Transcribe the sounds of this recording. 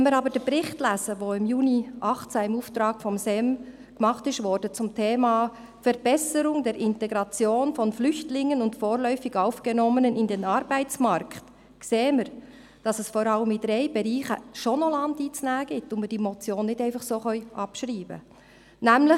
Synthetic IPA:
ɛnməɾɑbəd̥əpɾɪχtlæːzəʋoɪmjuːniʔɑχtt͡sæɪmuːftɾɑːɡ̥fɔmsɛm | kmɑχtɪʃʋɔɾdət͡sʊmtʰeːmɑː | fɛɾb̥ɛsəɾʊŋdɛɾʔɪntɛɡɾɑt͡sjoːnfɔnflʏçtlɪŋːənʊndfoːɾlœʏfɪɡ̥ɑʊfɡ̥ɛnɔmənənɪndɛnɑɾbæɪt͡smɑɾkχt | kseːəməɾ | d̥ɑsɛsfɔɾɑləmid̥ɾeɪbɛɾiːχə̰ʃonɔlɑndiːt͡snæːɡ̥ɪtʊnmɪd̥iːmɔt͡sjoːnːɪdæɪfɑχsoːχœʏʔɑpʃɾiːbə̰ | næmlɪ

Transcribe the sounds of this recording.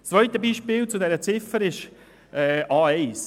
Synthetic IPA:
st͡sːʋœʏt̪əbiːʃpɪːlt͡sʊdɛɾət͡sɪfəɾɪʃ | ʔɛːɑːɛɪs

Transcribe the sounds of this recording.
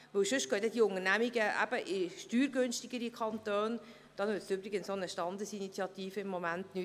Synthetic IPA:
ʋɵwʃʏʃtɡ̥œdɛd̥iʊŋəɾnæmiɡəʔæ̰b̥əʔɪʃtyːɾɡønʃtiɡ̥əɾikʰɑntøːn | d̥ɑnʋɪtsybɾɪɡənsonəʃtɑnd̪əsinit͡sjɑt̪iːfəɪmːomæntny

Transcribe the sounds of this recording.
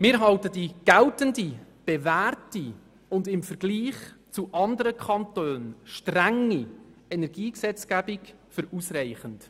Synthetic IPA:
mɪːɾɦɑltədiɡ̥æltəndib̥ɛvæːrti | ʊndɪmfəɾɡ̥liːχt͡suʔɑndəɾəkʰɑntøːnʃtræŋiɛnɛɾɡ̥iːksɛt͡sɡ̥æbɪk | fʏɾusrɛɪχənt

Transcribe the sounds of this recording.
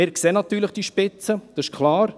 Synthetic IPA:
ɪːɾkseːnɑt̪yːɾləχd̥iʃpɪt͡səd̥ɑɪʃkʰlɑːɾ

